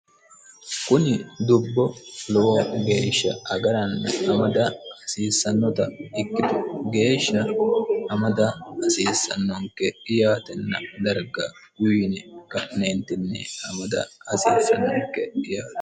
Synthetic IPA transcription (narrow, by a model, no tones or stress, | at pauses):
kʊnɪd̪ʊbːɔlɔwɔɡe̞ːʃːɐ̰ɐɡɐɾɐnːɐɐmɐd̪ɐɐsiːsːɐnːɔt̪ɐɪkːɪd̪ʊɡe̞ːʃːɐʔɐmɐd̪ɐɐsiːsːɐnːɔŋkːɛɪjaːt̪ɛnːɐd̪ɐɾɡɐ | jʊnɛkɐʔneːnt̪ɪnːɛ̰ɐmɐd̪ɐ̰ɐsiːsːɐnːɔŋkɛɪjaːt̪